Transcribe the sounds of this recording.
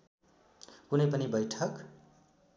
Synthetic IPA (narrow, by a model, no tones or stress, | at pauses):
kunʌjpʌnibʌjʈʰʌk